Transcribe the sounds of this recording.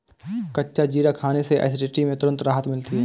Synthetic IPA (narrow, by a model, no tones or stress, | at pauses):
kɐtːʃad͡ʒiːɾakʰaːneseʔa̰ːs̬ʈeʈimẽt̪ʊɾə̃nt̪ɾaːɦət̪mɪlt̪iɦɛː